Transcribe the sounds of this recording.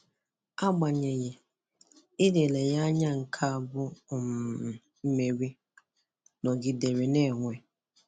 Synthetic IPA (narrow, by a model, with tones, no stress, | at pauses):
a˦ɡ͡ba˨ɲe˨je˨ | ɪ˦de˨le˨ja˦ɲa˦ŋ̩˨kʰa˦a˨bʊ˦˨m˨ | m̩˦me˨ɾi˦ | nɔ˨ɡɪ˨de˨ɾe˨ne˦˨ŋʷe˦